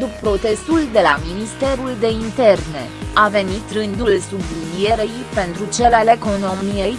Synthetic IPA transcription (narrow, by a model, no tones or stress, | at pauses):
d̪uppɾo̞t̪e̞st̪uld̪e̞laminist̪e̞ɾuld̪e̞int̪e̞rne̞̰ave̞nit̪rɨnd̪ulsublinije̞ɾejpe̞nt̪ɾut͡ʃeleleko̞no̞mijej